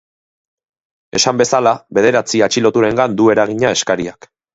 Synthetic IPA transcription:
e̞sambe̞salaβe̞ð̞e̞ɾat͡siat͡ʃilo̞t̪uɾe̞ŋɡand̪ue̞ɾaɣ̞iɲae̞skaɾiak

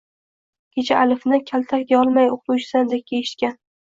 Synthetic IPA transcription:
kʲʰet͡ʃʰaːlɪfnɪkʲʰalt̪ʰakkʲaɒlˠmajoq̚ʰt̪ut͡ʃʰɪ̥sand̪ep̚kʲʰeɪʃɪt̪kʲan

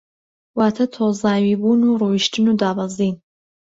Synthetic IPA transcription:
waːt̪ʰɐt̪ʰoːzaːwiːbunuːruːwiʃtʰɨnuːd̪aːwaziːn

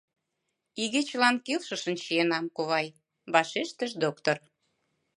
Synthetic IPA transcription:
iɣet͡ɕlɑnkilʃə̆ʃə̆nɕienɑmkoβɑj | βɑʃeʃt̪ə̆ʒd̪okt̪or

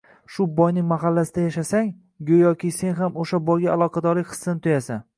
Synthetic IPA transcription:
ʃʊbɒjnɪŋmaɦalːasɪd̪ajaʃasaŋ | ɡʲojɒkʲɪse̞nɦamoʃabɒjɡʲaalˠɒqʰɑd̪ɒɾlɪkʲχɨ̥sːɪnɪt̪ʰʊjasan

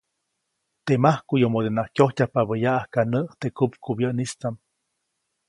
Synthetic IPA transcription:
t̪emahkujomod̪enakʲjohcʲahpabəjaʔahkanəʔt̪ekupkubjəʔnist͡sam

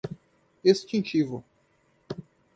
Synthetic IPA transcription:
est͡ʃĩnt͡ʃivʊ

